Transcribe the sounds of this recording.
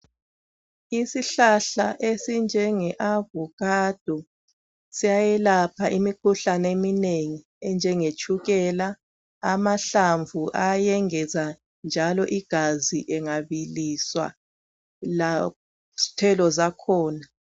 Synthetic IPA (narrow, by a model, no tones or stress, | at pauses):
isiɬaɬaʔesind͡ʒʱɛŋɛʔavukʼad̥ʱu | sijajɛlapʰaʔimikʰuɬanemineŋi | ɛnd͡ʒʱɛŋet͡ʃʰʼuɣɛla | amaɬaɱvuʔajɛŋɛza | nd͡ʒʱalɔʔiɡ̥ʱaziʔɛŋaβiliswa̰ | la | tʰɛlɔzakʰɔːna